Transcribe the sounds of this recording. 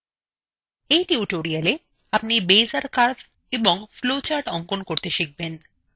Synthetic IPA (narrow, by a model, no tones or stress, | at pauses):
ejʈiuʈoɾiale | apnibejzaɾkaɾd̪ | ebɔŋflot͡ɕaɾɖɔŋkonkoɾt̪eʃik̚ben